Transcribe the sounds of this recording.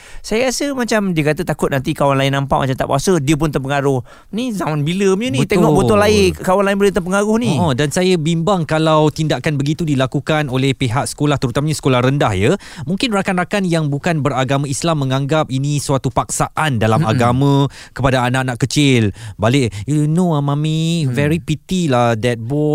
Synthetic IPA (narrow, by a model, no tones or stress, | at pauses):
sajəɾasəmat͡ʃamdiəkat̪ət̪akʊt̪̚nant̪ikawanlaɪnːãmpaʔmat͡ʃamt̪a̰ʔba̰sədiəp̬ʊnt̪ərpəŋaɾʊh | nizamanbiləmənit̪eŋɔʔboʊlaɪkawanlaɪnbələt̪ərpəŋaɾʊhnĩɔ̃dansajabimbaŋkalawt̪indaʔkanbəɡit̪udilakukanolɛhpeɦak̚sə̥kolaht̪əɾut̪amaɲasə̥kolahrəndahjə | mũŋkɪnrakanrakanjaŋbukanbəɾaɡamãislamːə̃ŋãŋɡap̚inĩsəwat̪upaksaʔandalama̰ɡamã | kəpadaːnaʔnaʔkət͡ʃɪlbalɪʔjunoamãmĩvɛɾipit̪ilahdɛt̪̚bɔ